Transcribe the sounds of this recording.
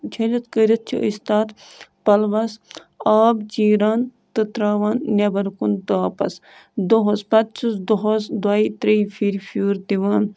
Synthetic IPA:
t͡ʃʰɐlʲit̪kəɾʲit̪̚t͡ʃʰiist̪aːt̪ | pɐlʋɐs | aːbt͡ʃiːɾaːnt̪ɨt̪ɾaːʋaːnːʲebɐɾkunt̪ɨaːpɐ̰s | d̪oɦospɐt̪̚t͡ʃʰusd̪oɦosd̪aːit̪ɾiːfʰiːɾfʰuːɾt̪iʋaːn

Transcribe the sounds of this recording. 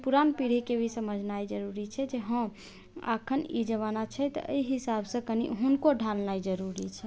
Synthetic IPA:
puɾanpiɽ̤ikebʱisəməd͡ʒʱnajd͡ʒəɾuɾit͡ʃʰɛd͡ʒeɦə̃ | a̰kʰənḭd͡ʒəʋanat͡ʃʰɛt̪ʔə̰iɦisabsə̃kənḭɦunkoɖʱalnajd͡ʒəɾuɾit͡ʃʰɛ

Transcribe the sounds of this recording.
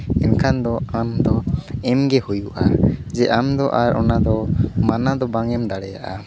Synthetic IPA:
ɛnkʰand̪ɔamd̪ɔɛmɡɛhujuʔad͡ʒɛʔamd̪ɔʔaɾʔɔ̰nad̪ɔmanad̪ɔbaŋɛmd̪aɽɛja̰ʔa

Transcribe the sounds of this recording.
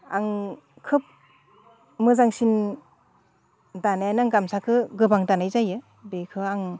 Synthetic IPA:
a̰ŋ | kʰɯp̚ | mɯzaŋsin | danajanaŋɡamsakʰɯɡɯbaŋdanajzajɯ | bekʰɯaŋ

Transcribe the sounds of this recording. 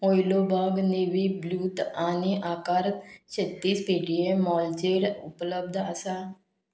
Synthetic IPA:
ojlobʱaɡneʋibluːt̪aniʔakaɾt̪ɕet̪ːiːspeʈiemɔld͡ʑeɽupləb̚d̪ʱəsa

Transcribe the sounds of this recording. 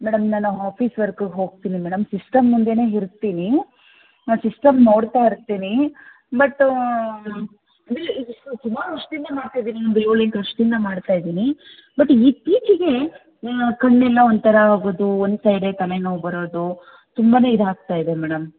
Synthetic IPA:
mɛːɽɐmnaːnuɦaːpʰiːsʋɐɾkɡeɦo̞ːɡ̚t̪iːnimɛːɽɐmsisʈɐmːund̪ene̞ːɦiɾt̪iːni | sisʈɐmnoːɽt̪aiɾt̪ːiːni | bɐʈː | ɐd̪ilːiʈut̪umaːluɐʂʈd̪ind̪ɐmaːɖt̪ajid̪iːnionb̪oliŋkɐʂʈd̪ind̪ɐmaːɽt̪aːjd̪iːni | bɐʈːiːpiːt͡ʃiɡe̞ | kɐɳːɛlːɐond̪t̪ʰɐɾɐɦaːɡoːd̪uond̪sɐjɖet̪ɐlenoːbɐɾo̞ːd̪u | t̪umbane̞ːid̪ɦaːk̚t̪aːjid̪e̞mɛːɽɐm

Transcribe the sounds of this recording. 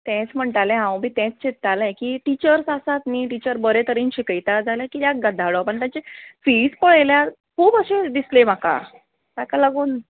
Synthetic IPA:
t̪ɛ̃t͡sm̤əɳʈalẽɦãwbʱiːt̪ɛ̃t͡st͡ɕet̪ːalɛkiːʈit͡ɕəɾsasat̪niːʈit͡ɕəɾbəɾet̪əɾiːnɕikəjt̪ad͡zʱaljakiːt̪jaɡəd̪ʱaɭɔpəɳt̪jat͡ɕefiːspəɭjlja | kʰuːbəɕed̪islem̤aka̰ | t̪akalaɡuːn

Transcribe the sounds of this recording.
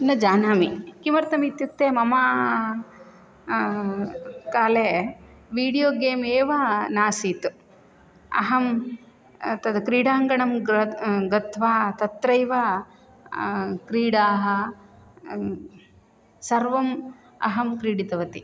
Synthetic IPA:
nɐd͡ʒaːnaːmikimɐɾt̪ɐmit̪jut̪ːeːmɐmaː | kaːleː | ʋiːɽijoːɡeːmeːʋɐnaːsiːt̪u | ɐ̰ɦɐm | t̪ɐd̪kɾiːɽaːŋɡɐɳɐmɐɡɐt̪ʰʋaːt̪ɐt̪ːɾɐjʋa | kɾiːɽaːɦɐ̆ | sɐɾʋɐm | ɐ̰ɦɐmkɾiːɽit̪ɐʋɐt̪i

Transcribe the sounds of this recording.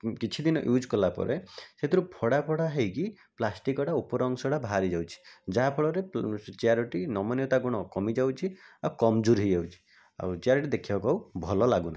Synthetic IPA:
kit͡ʃʰid̪inɔ̰ʔjud͡ʒkɔlapɔ̰ɾʔeset̪ʰiɾupʰɔɽapʰɔɽaɦejki | plasʈikɔɽaupɔɾɔŋsɔɽabʱaɾid͡ʒawt͡ʃʰi̥d͡ʒaɦapʰɔɭɔɾet͡ʃiaɾɔʈinɔmɔnjɔt̪aɡuɽ̃ɔkɔmid͡ʒawt͡ʃʰiawkɔmd͡ʒuɾɦid͡ʒawt͡ʃʰi̥ | a̰wt͡ʃiaɾʈid̪ekʰibakawbʱɔlɔlaɡunaɦi

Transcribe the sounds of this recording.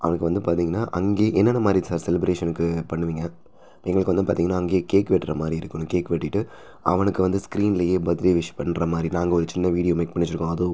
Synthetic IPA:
ʔɐʋɐnɐkːɯʋɐnd̪ɯpaːɾt̪iːŋɡɐnːaːʔɐŋɡeːʔɛnːɐnːɐmaːd̪ɾisaːɾsɛlɪbɾeːʂɐnɯkːɯpɐɳːɯʋiːŋɡɐ | ɛŋɡɐɭɯkːʋɐnd̪ɯpaːɾt̪iːŋɡɐnːaːɐŋɡeːkeːkːɐʋɛʈːɾɐmaːd̪ɾiɪɾɯkːɯɳʊ̃keːkːɐʋɛʈːɪʈːɯ | ɐ̰ʋɐnɯkːɯʋɐnd̪ɯskɾiːnɪlɐjeːbɐðɪɾiʋɪʂɐ̥pɐɳːɾɐmaːd̪ɾinaːŋɡɐɔɾɯt͡ʃɪnːɐʋiːɽɪjoːmeːk̚pɐɳːɪt͡ʃːɪɾɯkːõɐðoː

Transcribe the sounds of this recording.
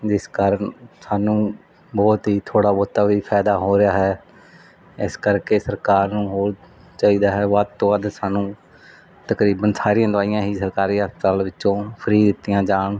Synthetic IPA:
d͡ʒɪskəɾənsaːnũː | bɔːt̪ɦiːt̪ʰoːɽaːbɔːt̪aːʋiːpʰɛːd̪aːɦoːɾɪjaːɦɛː | ɪskəɾkeːsəɾkaːɾnũːɦoːɾ | t͡ʃaːiːd̪aːɦɛːʋəd̪̚t̪õːʋəd̪saːnũː | t̪əkɾiːbənsaːɾɪjãːd̪ʊaːɪjãːɦiːsəɾkaːɾiːəspət̪aːlʋɪt͡ʃːõːpʰəɾiːd̪ɪt̪ːɪjãːd͡ʒaːɳ

